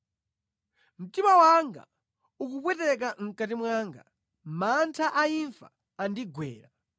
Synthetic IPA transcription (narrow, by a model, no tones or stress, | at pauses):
m̩timawaŋɡa̰ | uk̬ukwɛtɛk̬aŋ̩kat̬imwaːŋɡa̰ | mantʰaʔaiɱfa̰ː | ndiɡwɛ̰ːɾa